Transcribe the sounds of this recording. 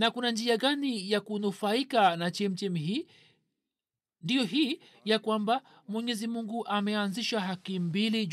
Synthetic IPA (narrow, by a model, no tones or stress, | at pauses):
nakunand͡ʒiaɠanijakunufaikanat͡ʃɛm̩t͡ʃɛmiɦiː | ndijɔɦiː | jakwamba | mwɛɲɛzimuŋɡuʔamɛanziʃaɦakimbili